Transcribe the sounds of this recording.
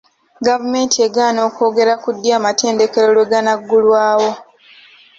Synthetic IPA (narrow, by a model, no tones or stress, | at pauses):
ɡavume̞ːntieɡaːno̞ːko̞ːɡe̞ɾakudːjaːmate̞ːnde̞ke̞lolwe̞ɡanaɡːulwaːwo̞